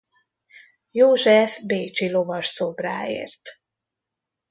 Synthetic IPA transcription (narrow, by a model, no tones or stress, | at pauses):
joːʒɛfbeːt͡ʃilo̞vɒʃsobra̰ːḛːrt̪